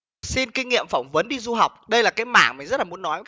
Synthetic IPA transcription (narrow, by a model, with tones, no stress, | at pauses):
si˧nkï˧ŋ̟ŋḭ˧˨əmfɔ˧˩wŋ͡mvə˨˦nɗi˧zu˧ɦa˨˩wk͡p̚ɗə˧jlaː˨˩kaː˨˦jma̰ː˧˩˨ŋmï˨˩ŋzə˦˥t̚laː˨˩u˨˦ə˦nːɔ˨˦j